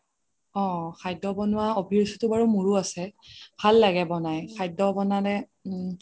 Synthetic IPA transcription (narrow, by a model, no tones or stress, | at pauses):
ɔ̃xajdɔbɔnʊwaobʱiɹsitʊbaɹumuɹuasɛbʱalːaɡɛbɔnajkʰajdɔbɔnanɛ